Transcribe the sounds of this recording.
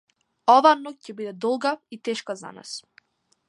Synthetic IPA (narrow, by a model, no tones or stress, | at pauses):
ɔvanɔk̚cɛbid̪ɛd̪ɔlˠɡait̪ɛʃkaza̰na̰s